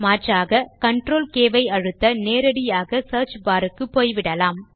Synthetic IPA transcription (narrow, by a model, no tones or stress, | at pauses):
maːʈraːɣɐkɐɳʈɾoːlkeːʋɐɪɐɻɯt̪ːɐneːɾɐɽɪjaːɣɐsɐːɾt͡ʃbaːɾɯkːɯpːoːjʋɪɽɐlaːm